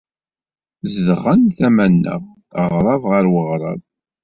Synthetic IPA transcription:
zəðəʁənθæmænːə̰ʁ | əʁɾˤɑvʁəɾwəʁɾˤɑ̰ð

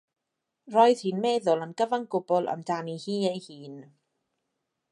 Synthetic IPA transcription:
rɔːɨð̥hiːnmɛːðʊlˠənɡəvaŋɡʊbɔlˠʔə̰mdanihiːejhiːn

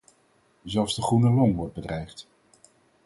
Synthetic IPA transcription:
zɛlˠfzdəχrunəlɔŋʋɔɹd̚bədrɛjft

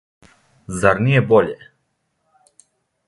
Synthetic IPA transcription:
zaɾnijeboʎe

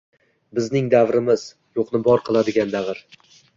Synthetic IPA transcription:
bɪznɪŋd̪avɾɪmɪz̥ | joqnɪbɒɾqʰɨlˠad̪ɪɡʲand̪avɾ

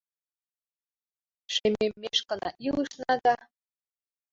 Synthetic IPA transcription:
ʃememːeʃkɤ̆nɑ̰ʔilˠɯʃnɑd̪ɑ

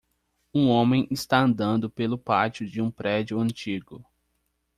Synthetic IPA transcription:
ũõmẽj̃ʔɪst̪aɐ̃nd̪ɐ̃nd̪ʊpelʊpat͡ʃʊd͡ʒɪũpɾɛd͡ʒiʊɐ̃nt͡ʃiɡʊ

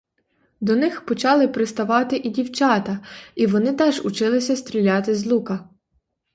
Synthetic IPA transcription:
d̪ɔnɪxpɔt͡ʃɑlˠɪpɾɪst̪ɐʋɑt̪ɪʔidʲiwt͡ʃɑt̪ɐiʋɔnɪt̪ɛʒʊt͡ʃɪlˠɪsʲɐst̪ɾʲilʲɑt̪ɪzlˠukɐ

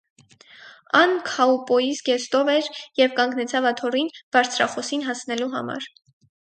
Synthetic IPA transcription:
ɑnkʰɑupɔjisɡɛst̪ɔvɛɾjɛvkɑŋɡnɛt͡sʰɑvɑt̪ʰɔrinb̥ɑɾt͡sʰɾɑ̰χɔsinɦɑsnɛluɦɑ̰mɑ̰ɾ

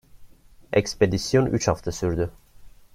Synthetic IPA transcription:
eksped̪isjonyt͡ʃhaft̪ʰasyɾd̪y

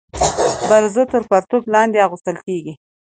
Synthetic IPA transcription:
baɾzət̪əɾkaɾt̪oblɑnd̪eɑɣust̪əlkeɡi

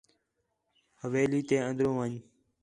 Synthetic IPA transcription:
həʋeːliːt̪eːə̃nd̪ɾõːʋəɲ

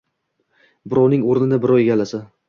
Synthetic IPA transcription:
bɪɾɒwnɪŋoɾnɪd̪abɪɾɒweɡʲalasa

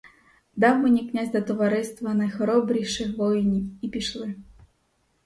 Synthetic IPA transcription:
d̪ɑwmɛnʲiknʲazʲd̪ɐt̪ɔʋaɾɛst̪ʋɐnɐjxɔɾɔbɾʲijʃɪxʋɔjinʲiipʲiʃlˠɪ

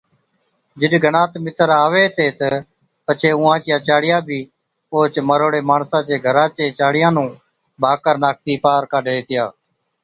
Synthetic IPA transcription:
d͡ʒɪɗɡʱənãːt̪mɪt̪əɾaːʋeːt̪eːt̪ə | pət͡ʃʰeːũːãːt͡ʃɪjãːt͡ʃaːɽɪjãːbʱiː | oːt͡ʃməɾoːɽeːmaːɳsãːt͡ʃeːɡʱəɾãːt͡ʃeːt͡ʃaːɽɪjãːnũː | bʱaːkəɾnaːk̚t̪iːpaːɾkaːɖʱeːeːt̪ʰɪjaː

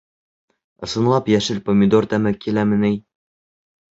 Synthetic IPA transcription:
ɤ̆sɤ̆nlˠɑpjæʃɘlpomʲɪd̪ort̪æmɘkːilæmɘ̆nɘj

